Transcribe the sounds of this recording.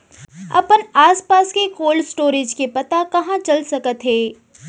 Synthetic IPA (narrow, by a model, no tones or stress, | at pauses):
ɐ̰pənaːspaːskekoːlsʈoːɾɪd͡ʒkepɐt̪akɐɦãt͡ʃɐlsɐkət̪ɦeː